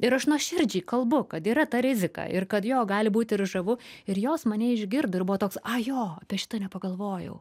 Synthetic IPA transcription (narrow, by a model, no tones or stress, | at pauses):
ɪɾɐʃnuɔʃʲɪrʲd͡ʒʲiːkɐlˠbʊkɐt̪iːɾɐt̪ɐɾʲɪzʲɪkɑ̰ːɪɾkɐt̪joːɡɑːlʲɪbuːt̪ʲɪɾʒɐʋʊɪɾjoːsmɐnʲɛːɪʒʲɡʲɪrd̪ʊɪrbʊʋoːt̪oːksɐjoːɐpʲiɛʃʲɪ̥t̪ɐnʲɛpɐɡɐlˠʋoːjɛ̰ʊ